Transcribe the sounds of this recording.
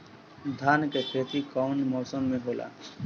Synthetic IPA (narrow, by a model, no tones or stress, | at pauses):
d̪ʱaːnkest̪ʰeːt̪ikaʊnmɔːsəmːẽɦoːla̰ː